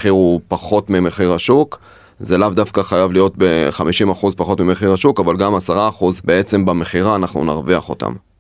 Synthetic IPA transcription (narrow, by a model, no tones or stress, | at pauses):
χiʁupaχo̞tmimeχiʁhaʃuk | zelavdafkaχajavlijo̞t̚beχamiʃimaχuzpaχo̞tmimeχiʁaʃukavalɡamasaʁaːχuzbe̞e̞t͡se̞mbame̞χiʁaːnaχnṵna̰ʁviaχo̞̰ta̰m